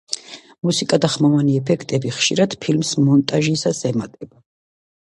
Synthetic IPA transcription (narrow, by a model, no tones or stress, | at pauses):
musikʼad̪aχmavaniɛpʰɛkʰt̪ʼɛbiχʃiɾad̪̥pʰilmsmɔnt̪ʼaʒisasɛmat̪ʼɛba